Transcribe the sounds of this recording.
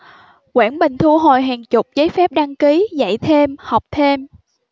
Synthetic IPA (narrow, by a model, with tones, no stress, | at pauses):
kwaː˧˩nɓï˨˩ŋ̟t̪ʰu˧ɦo˨˩jɦaː˨˩ŋt͡ɕʊ˨˩k͡p̚zəː˨˦jfɛ˦˥p̚ɗa˧ŋki˨˦za̰˧˨jt̪ʰe˧mha˨˩wk͡p̚t̪ʰe˧m